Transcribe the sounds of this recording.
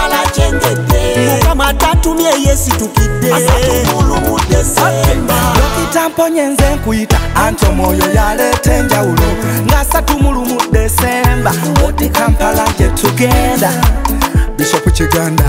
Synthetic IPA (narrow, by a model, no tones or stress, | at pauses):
lat͡ʃɛŋɡɛdɛuamatatumɛjɛsitukideasatumulumudɛsmbadɛkitampoɲɛnzɛŋkujitaaɲtomɔjɔjalɛtɛɲd͡ʒawuluŋɡasatumulumudɛsembawudikampalad͡ʒɛtʰuɡɛnda | disokut͡ʃiɡaːnda